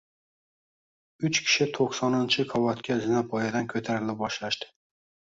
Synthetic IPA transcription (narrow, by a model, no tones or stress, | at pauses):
ʊt͡ʃkʲʰɪ̥ʃɪt̪ʰoqsɒnɪnt͡ʃʰɪkʰɒvɒt̪kʲʰazɪnapʰɒjad̪ankʲʰɵt̪ʰaɾɪlɪp̚bɒʃlaʃt̪ɪ̥